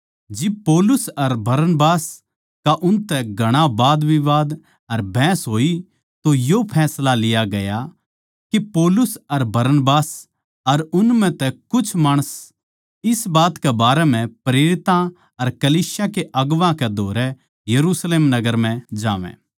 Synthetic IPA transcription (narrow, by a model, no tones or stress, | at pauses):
d͡ʒɪb̚poːlʊsɐɾbɐɾnbaːs | kaʔʊnt̪ɛɡʱɐɽ̃abaːd̪ʋiʋaːd̪ | ɐɾbʱɛ̃ːsɦoːi | t̪ojopʰɛːslalɪjaɡɐja | kipoːlʊsɐɾbɐɾnbaːs | ɐɾʊnmɛ̃t̪ɛkʊt͡ʃʰmaːɽ̃əs | ɪsbaːt̪kɛbaːɾɛm̤ɛ̃pɾeːɾɪt̪ã | ɐɾkɐliːsjakeʔɐɡʋãkɛd̪ʱoːɾɛ | jɐɾusleːmnɐɡəɾmɛ̃d͡ʒa̰ːʋɛ̰̃ː